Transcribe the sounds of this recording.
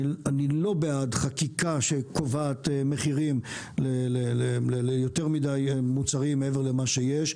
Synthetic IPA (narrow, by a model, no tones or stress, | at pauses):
anilo̞beadχakikaʃekovaːt̪emeχiʁim | lelelelelejoteʁmidajmut͡saʁimːeeveʁlemaʃejeʃ